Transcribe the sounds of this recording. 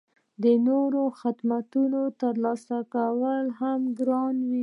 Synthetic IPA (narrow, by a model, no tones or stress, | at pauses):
d̪ənoɾoxɪd̪mat̪unot̪əɾlɑsakawəlɦamɡɾɑnwi